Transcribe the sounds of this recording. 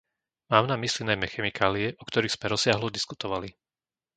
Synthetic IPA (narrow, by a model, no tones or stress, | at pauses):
maːmnamislinajmɛxɛmikʰaːliɛʔɔkt̪ɔɾiːɣz̥mɛɾɔsɪaɦlɔd̪iskut̪ɔʋali